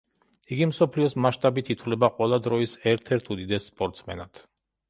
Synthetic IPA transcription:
iɡimsɔpʰliɔsmaʃt̪ʼabit̪ʰit̪ʰwlɛbaqʼwɛlˠad̪ɾɔisɛɾt̪ʰɛɾt̪ʰud̪id̪ɛsːpʼɔɾt̪ʼsʰmɛ̰nat̪ʰ

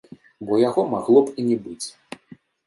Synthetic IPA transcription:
bɔjaɣɔmaɣlˠɔpinʲɛbɨt͡sʲ

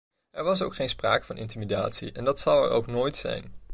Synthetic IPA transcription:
ɛɹʋɑs̬o̰wkχejnspra̰ːkəvɑnʔɪ̰ntimida̰ːtsḭʔɛndɑtsɑwɛ̰ɹʔo̰wknoːjtsɛ̰jn

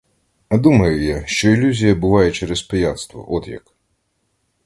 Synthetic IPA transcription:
ɐd̪umɐjʊjaʃt͡ʃɔilʲuzʲijɐbʊʋɑjɛt͡ʃɛɾɛspejat̪st̪ʋɔ̰ʔɔd̪jɐ̰k

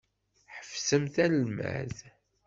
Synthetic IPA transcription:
ħə̥fsəmθælmæ̰ð

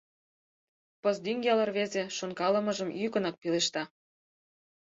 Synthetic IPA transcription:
pɤzd̪yŋɡʲɑlɑrβezeʃonkɑlə̆mɤ̆ʒəmykə̆nɑk̚pileʃt̪ɑ

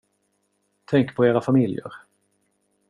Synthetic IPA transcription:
t̪ʰɛŋkpʰɔeːɾafamɪljə̰ɾ

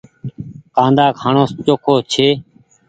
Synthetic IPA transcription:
kãːnd̪aːkʰaːɳoːst͡ʃoːkʰoːt͡ʃʰeː

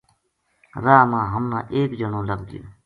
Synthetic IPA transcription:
ɾaːmãːɦəmnã̰ːʔeːkd͡ʒəɳõːləɡd̪ɪjo̰ː

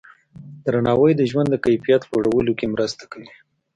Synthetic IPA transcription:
d̪ɾanɑwəjd̪əʒwand̪ːəkajfijat̪pəɽawəlokemɾəst̪ḁkawi

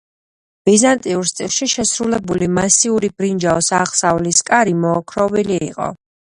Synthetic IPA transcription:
b̥izant̪ʼiuɾst̪ʼilˠʃiʃɛsɾulɛbulimasiuɾib̥ɾind͡ʒaɔsaʁsavliskʼaɾimɔːkʰɾɔvilḭːqʼɔ̰

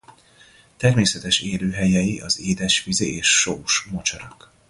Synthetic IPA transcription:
t̪ɛrmeːsɛt̪ɛʃeːløːɦɛjɛjiʔɒzeːd̪ɛʃʋizeeːʃːoːʃmot͡ʃɒɾɒk

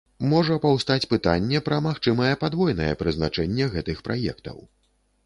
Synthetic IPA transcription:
mɔʐɐpawst̪at͡sʲpɨt̪anʲːɛpɾɐmaxt͡ʂɨmɐjɛpad̪vɔjnɐjɛ̰pɾɨznat͡ʂɛnʲːɛɣɛt̪ɨxpɾʔa̰jɛ̰kt̪ɐ̰w

